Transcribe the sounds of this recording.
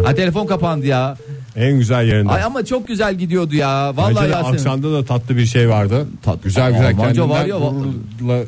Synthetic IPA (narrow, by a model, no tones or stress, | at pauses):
at̪ʰe̞lʲef̬o̞nkapand̪ɯjaː | ænɟyzælʲjeɾinajamat͡ʃʰo̞k̚ɟyzælʲɟid̪ijo̞d̪ujaːvalˠːaeaaeʃamd̪ad̪at̪ʰat̪lˠɯbiɾʃejvaɾd̪ɯt̪ʰaɟyzælʲɟyzælʲɛnd͡ʒavɾjoa | lˠa